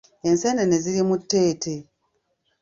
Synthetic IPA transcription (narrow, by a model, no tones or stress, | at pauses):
e̞nsenene̞ziɾimutːe̞ːte